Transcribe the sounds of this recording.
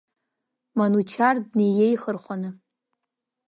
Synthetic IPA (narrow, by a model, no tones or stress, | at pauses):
manut͡ʃʰardnejejχərχʷanɨ